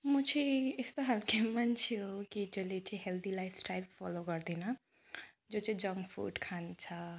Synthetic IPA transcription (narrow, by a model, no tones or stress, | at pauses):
mũt͡ʃʰiɪst̪oɦalkemɐnt͡ʃʰiokit͡ʃəlet͡ʃʰiɦeld̪ilaɪfsʈaɪlfɔ̰lokəɾd̪ina | d͡ʒoːt͡ʃʰid͡ʒəŋɡfṵːʈkʰant͡ʃʰa